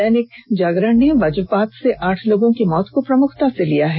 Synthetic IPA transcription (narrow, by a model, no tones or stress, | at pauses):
ɛneːkd͡ʒaːɡɾəɽneʋɐd͡ʒpaːt̪seʔaːʈʰloːɡõkimɔːt̪kopɾɐmʊkʰt̪aselijaɦɛ